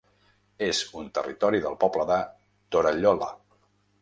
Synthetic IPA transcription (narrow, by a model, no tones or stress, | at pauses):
ezunt̪ə̰rit̪ɔɾiðə̰lˠpɔbləðə | t̪oɾəʎɔlə̰